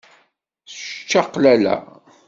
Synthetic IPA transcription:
sʃt͡ʃːɑqlælæ̰

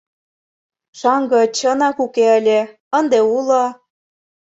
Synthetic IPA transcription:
ʃɑŋɡɤ̆t͡ɕɤnɑkukeəlʲe | ənd̪eulɤ

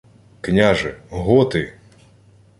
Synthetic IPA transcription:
knʲaʒɛɦɔt̪ɪ

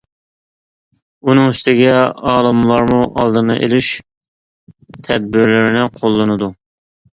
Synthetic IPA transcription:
unɨŋyst̪ɪɡʲɛɑːlˠɨmlˠɑɾmuʔɑlˠd̪ɨnɨʔḛlyʃ | t̪ʰɛd̪̚bɪɾlɪɾɪnɪqʰolˠːɨnɨd̪u

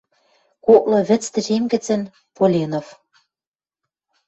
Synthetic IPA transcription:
koklɤ̆βɘ̆t͡st̪ɘ̆ʒemɡɘ̆t͡sɘ̆n | polʲenof

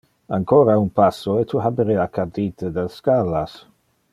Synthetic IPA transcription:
aŋkoːɾaunpasːoet̪ʰuɦabeɾeakʰad̪it̪ed̪elskalas

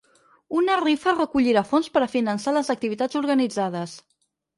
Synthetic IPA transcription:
unərifərəkuʎiɾafonspəɾəfinənsaləzək̚t̪iβit̪ad͡zuɾɣənid͡zað̞əs

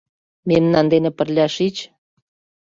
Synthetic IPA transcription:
memnɑnd̪enĕpə̆rlʲɑʃit͡ɕ

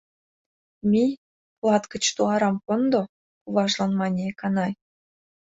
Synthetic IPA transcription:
mʲij | plɑt̪kə̆t͡ɕt̪uɑɾɑmkond̪o | kuβɑʒlɑnmɑnʲekɑnɑj

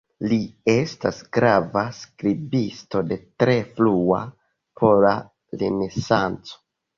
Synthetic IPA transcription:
lie̞stasɡɾavaskɾibisto̞de̞tɾe̞flua̰ | pʰo̞la | ɾene̞sant͡so̥

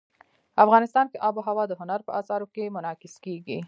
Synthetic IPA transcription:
afɣɑnɪst̪ɑnkeʔɑboɦawɑd̪əɦʊnaɾpəʔɑsɑɾokemʊnɑkɪskeɡi

